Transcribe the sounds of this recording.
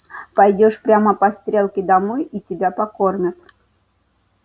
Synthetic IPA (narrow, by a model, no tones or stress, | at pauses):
pɐjdʲo̞ʂpɾʲaməpɐst̪ɾʲelˠkʲɪd̪ɐmojitʲɪbʲapɐko̞rnʲʊt̪